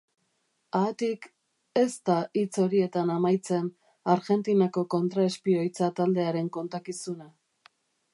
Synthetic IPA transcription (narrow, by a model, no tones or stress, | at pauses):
aːt̪ik | e̞st̪ait͡so̞ɾie̞t̪anamajt͡se̞n | aɾɣe̞nt̪inako̞ko̞nt̪ɾae̞spio̞jt͡sat̪ald̪e̞aɾe̞ŋko̞nt̪akisuna